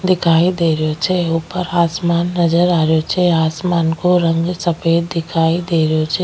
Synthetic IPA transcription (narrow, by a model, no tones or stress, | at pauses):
d̪ɪkʰaːid̪eːɾjot͡ʃʰeuːpəɾaːsmaːnːɐd͡ʒəɾaːɾjot͡ʃʰɛaːsmaːnkoɾə̃ŋɡsəpeːd̪ːɪkʰaːid̪eːɾjot͡ʃʰe